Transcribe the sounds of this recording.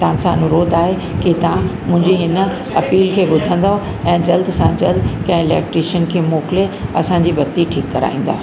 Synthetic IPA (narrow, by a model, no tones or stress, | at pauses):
t̪aãsãɐnʊɾoːd̪aːɦe | kit̪ɐ̤ãmʊ̃ɦɪ̃ɲd͡ʑiɦɪnə̆ | ɐpiːlkʰeːbʊd̪ʱə̃nd̪aɦo | ɛ̃ːd͡ʑɐld̪sãd͡ʑɐld̪kɐ̃ɦɪ̃ɪlɛ̰ːk̚ʈɾiːʃənkʰeːmoːkɪleɐsãɲd͡ʑibɐt̪iʈʰiːkːɐɾa̰ːĩːn̆d̪aː